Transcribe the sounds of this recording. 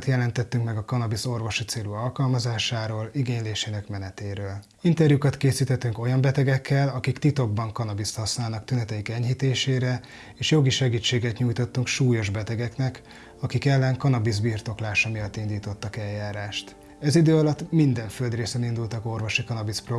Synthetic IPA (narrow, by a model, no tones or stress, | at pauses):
t̪jɛlɛnt̪ɛt̪ːyŋkmɛɡɒkɒnɒbiso̞rvo̞ʃit̪seːluɒlkɒlmɒzaːʃaːɾoːliɡeːɲleːʃeːnɛkmɛnɛt̪eːɾøːl | int̪ɛrjukɒt̪keːsiːt̪ɛt̪ːyŋko̞jɒmbɛt̪ɛɡɛkːɛlɒkikt̪it̪o̞ɡ̚bɒŋkɒnɒbist̪hɒsnaːlnɒkt̪ynɛt̪ɛjikɛɲhit̪eːʃeːɾɛ | eːʃjo̞ɡiʃɛɡiːt͡ʃːeːɡɛt̪ɲuːjt̪o̞t̪ːuŋkʃuːjo̞ʒbɛt̪ɛɡɛknɛk | ɒkikɛlːɛŋkɒnɒbizbiːrt̪o̞klaːʃɒmijɒt̪ːind̪iːt̪o̞t̪ːɒkɛljːaːɾaːʃt̪ | ɛzid̪øːɒlɒt̪mind̪ɛɱføld̪reːsɛnind̪ult̪ɒko̞rvo̞ʃikɒnɒbispro